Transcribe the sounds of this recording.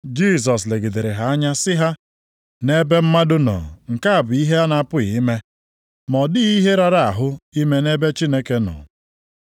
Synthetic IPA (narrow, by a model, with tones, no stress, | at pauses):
d͡ʒi˦˨s̬ɔ˨s̬le˨ɡe˨de˨ɾe˨ɦa˨a˦ɲa˦sɪ˦ɦa˦ | ne˦be˦m̩˦ma˦dʊ˦nɔ̰˨ŋ̩˨ka˦a˨bʊ˨i˦ɦe˦a˦na˨˦˨pʊ˦ɣi˨˦me˦ | mɔ˨dɪ˦ɣi˦ɦe˦ɾa˦ɾa˨a˨ɦʊ˦i˦me˦ne˦be˦t͡ʃi˦ne˦ke˦nɔ̰˨